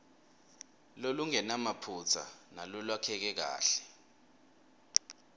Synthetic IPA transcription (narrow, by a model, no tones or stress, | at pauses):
loluŋɛnamapʰut͡sʰa̰nalɔlwakʰɛk̬ɛk̬a̰ːɬɛ̥